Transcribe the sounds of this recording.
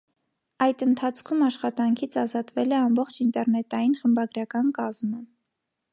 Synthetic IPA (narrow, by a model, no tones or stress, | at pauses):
ɑjd̪ənt̪ʰɑt͡sʰkʰumɑʃχɑt̪ɑŋkʰit͡sʰɑzɑt̪vɛlɛɑmbɔχt͡ʃʰint̪ɛɾnɛt̪ɑjinχəmbɑɡɾɑkɑnkɑzmə